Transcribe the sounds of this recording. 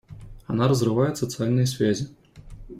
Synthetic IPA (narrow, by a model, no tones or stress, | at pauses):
anaɾɐzrɨvajɛsɐt̪sɨalʲnɐjsʲfʲazʲɛ